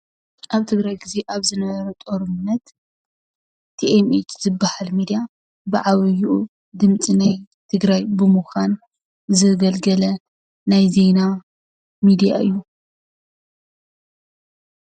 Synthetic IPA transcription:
ʔaβt̪ʰɨɡɾajɡize̞ʔaβzɨnɐβɐɾɐt̪ʼoɾumnːɐt̪ | t̪ʰiʔemet͡ʃzɨbːahalmid̪ija | bɨʕaβjuʔu | d̪ɨmt͡sʼinaj | t̪ʰɨɡɾajbɨmuxan | zɨɡɐlɡɐlɐ | najze̞na | mid̪ija̰ʔɨ̰jːu

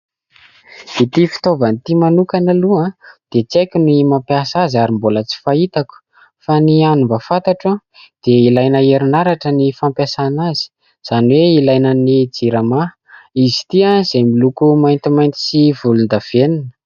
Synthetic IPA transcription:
v̥it̪ifi̥t̪ovanit̪imanukanaluad̪̥et͡sajkʲunimampiasazaɾimbolət͡si̥fait̪aku̥ | fanianumbafat̪aʈ͡ʂa | d̪̥eilajnəeɾunaɾaʈ͡ʂənifampjasanazi̥ | z̥aniweilajnənid͡ziɾama | izi̥t̪iaz̥emilukumajnt̪imajnt̪i̥sivulund̪av̥eninə̥

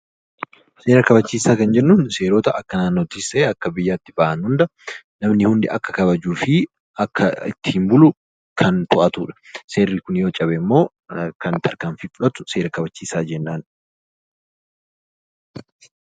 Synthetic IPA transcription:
se̞ːɾɐkɐbɐt͡ʃːiːsaːkɐnd͡ʒɛnːuːnse̞ːɾoːt̪ɐʔɐkːɐnaːnːot̪ɪseːɐkːɐbɪjːaːt̪ːɪbaːʔɐnhʊnd̪ɐ | nɐmnɪhʊnd̪ɪ̰ʔɐkːɐ̥kɐβɐd͡ʒuːfɪ | ɐkːɐɪ̰t̪ːɪ̥hɪmbʊlʊ | kʰɐnt̪ʊʔɐt̪ʊːᶑɐ̥se̞ːrːiːkʊnjoːt͡ʃʼɐbɛmːo̞ː | kɐnt̪ʰɐɾkaːmfifʊᶑɐt̪ʊ̥se̞ːɾɐkɐbɐt͡ʃːiːsaːd͡ʒɛnːaːn

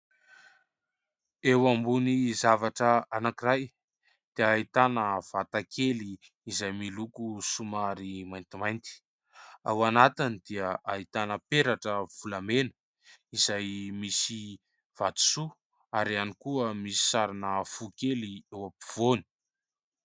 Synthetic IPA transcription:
ewambunizavaʈ͡ʂəanakiɾaj | d̪̥eait̪anəv̥at̪akʰeliː | zajmilukusumaɾimajnt̪imajnt̪i̥ | a̰wanat̪inid̪̥iəʔait̪anəpeɾaʈ͡ʂəv̥ulamenə̥ | izajmisi | v̥at̪u̥su | aɾianikuəmisi̥saɾanəfukeliewapi̥v̥oni̥

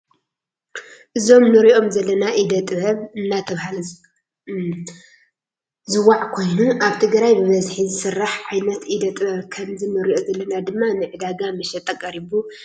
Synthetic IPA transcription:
ʔɨzo̞mnɨɾiʔo̞mzɐlːɐnaʔid̪ɐt̪ʼɨbɐβɨnːat̪ʰɐβhal | zɨwaʕkʰo̞jnuʔaβt̪ʰɨɡɾajbɨmɐzħizɨsɨrːaħʕajnɐt̪ʔid̪ɐt̪ʼɨβɐβkʰɐmzinɨɾiʔozɐlːɐnad̪ɨmːanɨʕɨd̪aɡamɨʃɛt̪ʼɐkʼːɐɾiβu

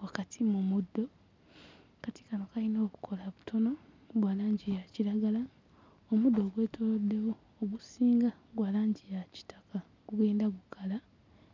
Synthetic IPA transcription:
wakatʰimumudːo̞ | kati̥kanokainoːku̥kʰo̞laβutʰo̞no̞ | ɡwaːlaːɲɟijaciɾaɡala | omudːoːɡwe̞ːtolodːe̞woːɡusiːŋɡa | ɡwaːlaːɲɟijaci̥tḁka | ɡ̥uɡe̞ːndaɡukʰala

